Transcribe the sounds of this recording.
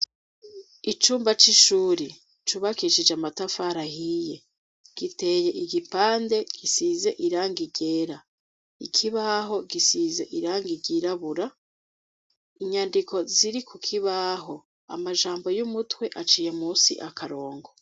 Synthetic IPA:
it͡ʃuːmbat͡ʃiʃuːɾi | t͡ʃuβakiʃid͡ʒeamatafaɾahije̞ | ɡ̥ite̞je̞iɡipaːnde̞ɡ̥isize̞ʔiɾaːŋɡiɟe̞ːɾa | ikʰiβaɦo̞ɡisize̞ʔiɾaːŋɡiɟiɾaβuɾa | iɲandiko̞ziɾikukʰiβaɦo̞ | a̰maʒaːmbo̞jumutwe̞ʔat͡ʃiːjemuːsḭʔakʰaɾo̞ːŋɡo

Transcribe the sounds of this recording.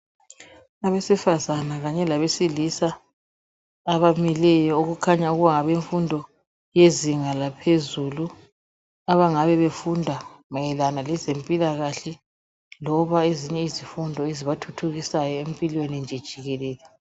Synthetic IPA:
aβesifazanaɣaɲɛlaβesilisa | βamilɛjɔoɣukʰaɲauɣuβaŋaβeɱfundʱɔ | jeziŋalapʰezulu | aβaŋaβɛβefundʱamajɛlanalɛzempʼilaɣaɬɛ | lɔβaeziɲɛizifundʱɔeziβatʰutʰuɣisajɔempʼilwenind͡ʒʱɛd̥ʒ̥ʱiɣɛlɛːlɛ

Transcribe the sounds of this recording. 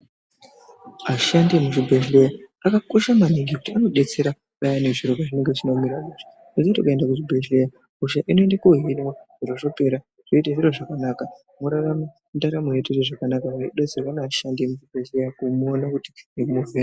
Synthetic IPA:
maʃandiemuʐibʱeʒlejaakako̞ʃamaniɡikutiano̞ɗe̞t͡se̞ɾa | ɓajane̞ʐiɾokaʐine̞ŋɡet͡ʃino̞miɾamuʐḁ | neketo̰kue̞ndakuʐibʱeɮleja | uʃaʔino̞endakuɦinwaʐ̥iɾoʐope̞ɾa | ʐ̥oitaʐiro̞ʐakanaːka | muɾarama | mundaɾamojetereʐakanakaʐaiɗad͡zirwaneaʃandiemuʐibʱeɮlejakumuonakuti̥nekumuve

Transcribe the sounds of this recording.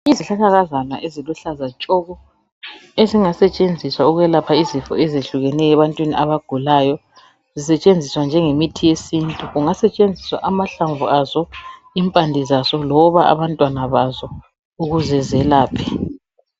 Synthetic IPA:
iziɬaɣaɣazanwa̰ʔeziluɬazat͡ʃʼɔɣɔ | eziŋasɛt͡ʃʼend͡zʱiswauɣwɛlapʰaizifɔ̰ɛzeɬuɣɛnɛjɛβantʼwiniʔaβaɡ̥ʱulajɔ | zisɛt͡ʃʼend͡zʱiswand͡ʒʱɛŋemitʰijesintʼuɣuŋasɛt͡ʃʼend͡zʱiswa̰ʔamaɬaɱvuazɔ | impʼandʱizasɔlɔβaa̰βantʼwanaβazɔ | uɣuzɛzɛlaːpʰɛ̥

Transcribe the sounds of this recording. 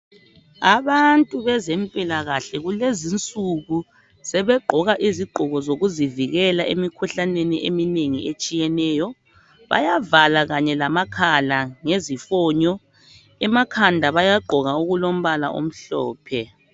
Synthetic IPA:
aβantʼuβɛzɛmpʼilaɣaɬɛɣulezint͡sʼuɣu | sɛβɛɡ͡ǃʱɔɣaʔiziɡ͡ǃʱɔɣɔzoɣuziviɣɛlaʔḛmikʰuɬaneniʔenineŋiet͡ʃʼijɛnɛːjɔ | βa̰javalaɣaɲɛlamakʰalaŋezifɔɲɔ | ɛmakʰandʱaβajaɡ͡ǃʱɔɣauɣulom̩βala̰ʔo̰m̩ɬɔ̰ːpʰɛ

